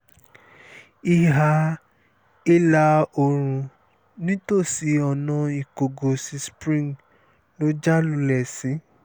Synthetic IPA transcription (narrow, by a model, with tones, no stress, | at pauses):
i˧ɦa˧ | i˦la˧o˨ɾ̃ũ˧ | nĩ˦to˦˨si˨˧ɔ˨nã˧i˨ko˨ɡo˨si˧spɾĩ˦˨ŋ | lo˦d͡ʒa˦lu˧˦lɛ˨sĩ˨˦